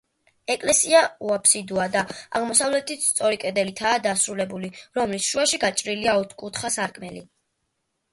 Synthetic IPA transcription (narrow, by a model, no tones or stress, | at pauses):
ɛkʼlɛsiauapʰsid̪uad̪aaʁmɔsavlɛt̪ʰit̪st̪sʼɔɾikʼɛd̪ɛlit̪ʰaːd̪asɾulɛbuliɾɔmlisʃuaʃiɡat͡ʃʼɾiliaɔt̪ʰkʼut̪ʰχasaɾkʼmɛli